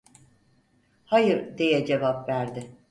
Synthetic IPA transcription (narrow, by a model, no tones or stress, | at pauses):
hajɯɾd̪e̞jɛd͡ʒe̞vapvæɾd̪ɪ